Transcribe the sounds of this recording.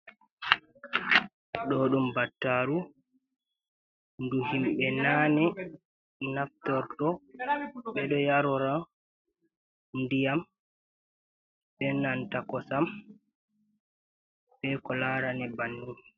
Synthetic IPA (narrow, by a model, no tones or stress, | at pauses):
ɗɔɗɔmbatːaɾu | nduhimɓɛnaːnɛ | naftɔɾdɔ | ɓɛɗɔjaɾɔɾa | ndijam | ɓɛnantakɔsam | bɛkɔlaːɾanɛbanːum